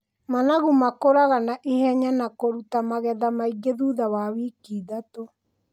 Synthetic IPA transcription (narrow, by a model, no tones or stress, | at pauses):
manaɣumakoɾaɣanaʔeɦɛɲanakoɾutamaɣɛðamaiɡeðuːðawawikiːdato